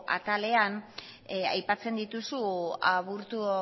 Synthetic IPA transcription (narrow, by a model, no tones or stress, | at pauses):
a̰t̪ale̞an | a̰jpat͡se̞nd̪it̪usuaβuɾt̪u